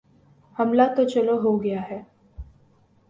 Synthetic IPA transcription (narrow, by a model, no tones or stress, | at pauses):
hɐmlat̪ot͡ʃɐloɦoɡɐjaɦɛː